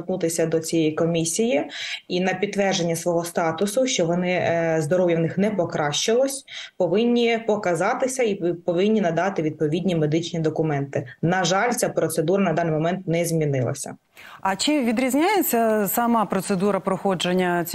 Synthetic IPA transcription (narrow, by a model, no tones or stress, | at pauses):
t̪nut̪ɪsʲɐd̪ɔt͡sʲijɛjikɔmʲisʲijiinɐpʲit̪ːʋɛrʒenʲːɐsʋɔɦɔst̪ɑt̪ʊsʊʃt͡ʃɔʋɔnɪzd̪ɔɾɔʋjɐʋnɪxnɛpɔkɾɑʃt͡ʃɪlˠɔsʲpɔʋɪnʲːipɔkɐzɑt̪ɪsʲɐipɔʋɪnʲːinɐd̪ɑt̪ɪʋʲid̪̚pɔʋʲidʲnʲimed̪ɪt͡ʃnʲid̪ɔkʊmɛnt̪ɪnɐʒɑlʲt͡sʲapɾɔt̪sed̪uɾɐnɐd̪ɑnːɪjmɔmɛnt̪nɛzʲmʲinɪlˠɐ̰sʲɐ̰ | ɐt͡ʃɪʋʲid̪ɾʲizʲnʲajet͡sʲːɐsɐmɑpɾɔsed̪uɾɐpɾɔxɔd͡ʒenʲːɐ